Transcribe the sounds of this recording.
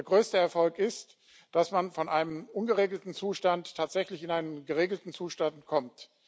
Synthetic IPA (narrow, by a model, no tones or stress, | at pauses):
ɐɡʁøːstəɛɐfɔlkɪst | d̥asmanfɔnʔaɪnəmʔʊnɡəʁeːɡl̩tn̩t͡suːʃtantʰːaːtz̥ɛçlɪçɪnaɪnənɡəʁ̞eːɡl̩tn̩t͡suːʃtantkʰɔmt